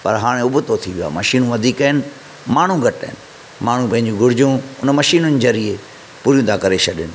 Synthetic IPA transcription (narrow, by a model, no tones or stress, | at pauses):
pɐɾɦaːɽ̃ẽʊbʊt̪ot̪ʰiʋija̰ːmɐʃiːnũʋɐd̪ʱiːkaɦɪnɪ̆ | maːɳ̤ũɡʱɐʈə̰ɦɪnɪ̆ | maːɳ̤ũpɐ̃ɦɪɲ̆d͡ʑũɡʱʊɽɪd͡ʑũʊnmɐʃiːnʊnzɐɾie | puːɾijũd̪ʰaːkɐɾeʃɐɗɪnɪ̆